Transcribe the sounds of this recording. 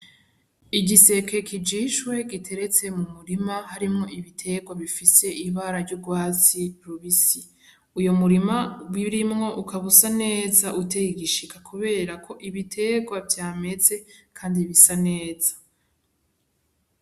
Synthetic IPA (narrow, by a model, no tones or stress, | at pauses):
iɟise̞kekʰid͡ʒiːʃwe̞ɡitʰe̞ɾe̞t͡se̞mumuɾimahaɾimŋo̞ʔiβitʰe̞ɡwaβifise̞iβaɾaɾɟuɡwaːt͡siɾuβisi | ujo̞muɾimawiɾimŋo̞ʔukʰaβusane̞ːzaʔuteiɡiʃikakʰuβe̞ːɾakʰo̞ʔiβitʰe̞ɡwavjaːme̞t͡se̞kʰaːndiβisane̞ːz̥ḁ